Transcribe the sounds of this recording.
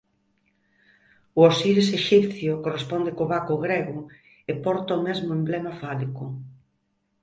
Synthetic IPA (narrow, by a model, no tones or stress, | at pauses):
ʊosiɾseʃipθjʊkorespond̪ekoβakʊɣɾeɣʊ | epɔɾt̪aomezmʊemblemafalikʊ